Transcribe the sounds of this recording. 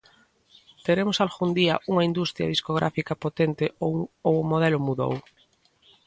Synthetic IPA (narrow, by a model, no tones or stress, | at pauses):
t̪eɾemʊsalxund̪iɐ̰ʔuŋɐind̪ust̪ɾjɐ̰ðiskoɣ̞ɾʔa̰fikɐpot̪ent̪ɪoowʊmoð̞ɛlʊmuðo̰w